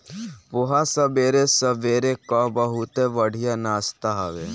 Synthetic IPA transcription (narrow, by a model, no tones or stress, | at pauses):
ʋʊɦasəbeːɾesəbeːɾekabəɦut̪eʋəɽ̤ʱijanaːst̪aɦaʋḛː